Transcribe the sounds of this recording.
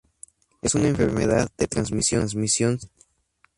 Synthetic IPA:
esunaeɱfḛɾme̞̰ða̰ðdet̪ɾanzmisjonzmisjon

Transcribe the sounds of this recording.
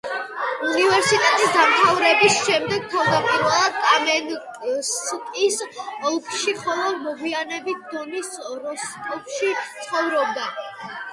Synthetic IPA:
univɛɾsit̪ʼɛt̪ʼisd̪amt̪ʰavɾɛbisʃɛmd̪ɛɡ̚t̪ʰavd̪apʼiɾwɛlˠad̪kʼamɛnʼskʼisɔlˠkʰʼʃiχɔlˠɔmɔɡwianɛbit̪̚ʰd̪̥ɔnisɾɔsʰʼɔpʃit̪sʰχɔvɾɔb̚d̪a

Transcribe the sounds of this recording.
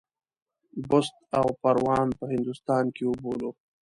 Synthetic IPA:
bʊst̪̚awpaɾwɑːnpəɦɪnd̪ust̪ɑːnkeʊbolo

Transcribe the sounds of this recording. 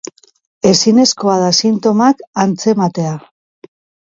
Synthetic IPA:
e̞sine̞sko̞að̞asint̪o̞makant͡se̞mat̪e̞a

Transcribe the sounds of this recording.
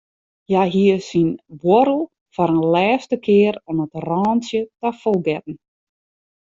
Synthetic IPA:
jaɦiəsinʋoɾl̩ˠ | fɔɾənlɛːstəkʰɪəɾanətrɑːnsjətafɔlˠɡɛtn̩

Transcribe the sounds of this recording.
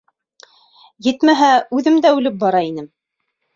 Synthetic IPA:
jɘt̪mæɦæʉðɘmd̪æʉlɘp̚bɑɾɑinɘm

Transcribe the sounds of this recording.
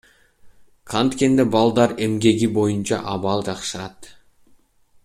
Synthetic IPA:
kʰɑnt̪kʲe̞nd̪ebɑlˠd̪ɑɾe̞mɡʲe̞ɡʲibo̞jənt͡ʃɑ̰ʔɑβɑlˠd͡ʒɑqʃəɾɑt̪

